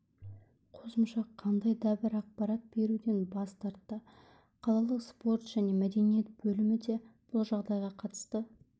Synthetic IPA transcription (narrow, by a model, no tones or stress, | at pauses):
qʰo̞səmʃɑqʰɑnd̪ɑjd̪ɑbɪɾɑq̚pɑɾɑt̪̚b̥e̞ɾud̪e̞nbɑst̪ɑɾt̪ːə | qʰɑlˠɑlˠəqspo̞rt̪ʒ̥æne̞mæd̪e̞nije̞t̪̚b̥ɵlɪmɪd̪e̞b̥ʊlˠʒɑʁd̪ɑjʁɑqʰɑt̪ə̥st̪ə